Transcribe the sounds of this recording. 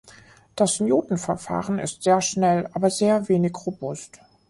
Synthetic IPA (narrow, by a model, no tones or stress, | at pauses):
d̥asnjoːtn̩fɛɐfa̰ːʁənɪ̰stz̥eːɐʃnɛlʔaːbɐzeːɐveːnɪçʁobʊst